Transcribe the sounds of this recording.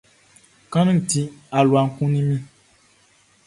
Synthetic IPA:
kã˦nũ˦˨ti˦a˨lu˨a˨ŋ̩˦kũ˦nĩ˦mĩ˦

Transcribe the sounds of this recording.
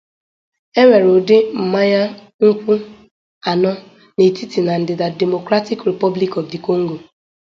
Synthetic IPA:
e˦ŋʷe˨ɾo˨dɪ˦m̩˨ma˦ɲa˦ | ŋ̩˦kʷu˦ | a˨nɔ˦ | ne˨ti˦ti˨na˨n̩˨dɪ˨da˨de˨mo˨kɾa˦ti˦kɾe˨pɔ˦bli˦kɔ˨fdi˨ko˦ŋ̩˦ɡo˨

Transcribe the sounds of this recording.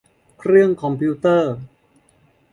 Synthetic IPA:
kʰɾɯ˥˩əŋkʰɔ˧mpʰiː˧˥t̪ɤː˥˩

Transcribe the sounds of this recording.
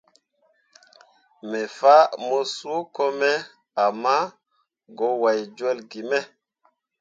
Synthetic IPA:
me˨fa˦mo˦su˦ko˦mɛ˦ | a˨mːa˦ | ɡo˨˦wa˨jd͡ʒe˦lɡi˨mɛ˦

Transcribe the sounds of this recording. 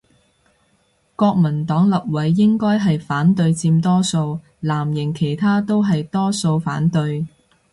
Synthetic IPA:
kɔː˧k̚mɐ˨˩nt̪ɔː˨˥ŋlɐ˨p̚wɐ˨˥jːɪ˥ŋkɔː˥jɦɐ˨jfaː˨˥nt̪ɵ˧ɥt͡siː˧mt̪ɔː˥so˧w | laː˨˩mjɪ˨˩ŋkʰe˨˩jt̪ʰaː˥t̪o˥wɦɐ˨jt̪ɔː˥so˧wfaː˨˥nt̪ɵ˧ɥ

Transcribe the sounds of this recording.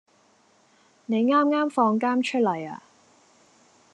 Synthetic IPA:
ne˨˧jŋaː˥mŋaː˥mfɔː˧ŋkaː˥mt͡ʃʰɵ˥t̚lɐ˨˩ja̰ː˧

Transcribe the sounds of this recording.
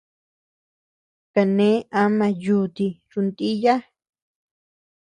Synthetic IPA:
ka˧nẽ˨˦a˦mã˧ju˧t̪i˧ɾu˧nt̪i˦ja˦

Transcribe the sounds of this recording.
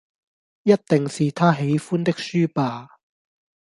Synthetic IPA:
jɐ˥t̚t̪ɪ˨ŋsiː˨t̪ʰaː˥ɦe˨˥jfuː˥nt̪ɪ˥k̚syː˥paː˨˧

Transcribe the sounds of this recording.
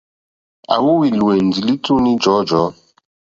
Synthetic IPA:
a̰˨wu˦wi˨lu˨e˨n˨d͡zi˨li˦tu˦ni˦d͡ʒɔ˨˦d͡ʒɔ˨˦

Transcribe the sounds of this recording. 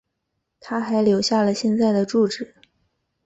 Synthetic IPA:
t̪ʰa˥xa˧˥ɪljo˧˥ʊɕja˥˩lə˩ɕjɛ˥˧nt͡sa˥˩ɪd̪ə˩ʈ͡ʂu˥˩ʈ͡ʂɻ̩˨˩˦

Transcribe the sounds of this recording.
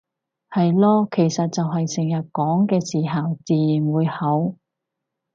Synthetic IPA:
hɐ˨jlɔː˥kʰe˨˩jsɐ˨t̚t͡sɐ˨wɦɐ˨jsɪ˨˩ŋjɐ˨t̚kɔː˨˥ŋkɛː˧siː˨˩ɦɐ˨˩wt͡siː˨ji˨˩nwuː˨˧jhɐ˨˥w

